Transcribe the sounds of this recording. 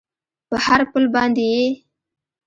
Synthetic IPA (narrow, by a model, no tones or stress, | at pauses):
pəhaɾpəlbɑnd̪eje